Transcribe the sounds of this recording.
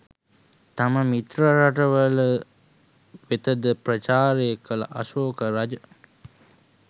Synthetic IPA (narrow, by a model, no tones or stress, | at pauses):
t̪aməmit̪ɾəɾaʈəʋələ | ʋet̪əd̪əprət͡ʃaːɾeːkələ̰ʔasoːkəɾad͡ʒə